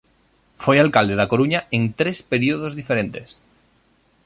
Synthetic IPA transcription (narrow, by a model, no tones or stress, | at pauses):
fojalkald̪e̞ðako̞ɾuɲaent̪ɾe̞spe̞ɾioð̞o̞zðife̞ɾe̞nt̪e̞s